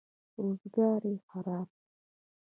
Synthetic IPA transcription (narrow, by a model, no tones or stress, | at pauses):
ɾoːzɡɑːɾexaɾɑːb̚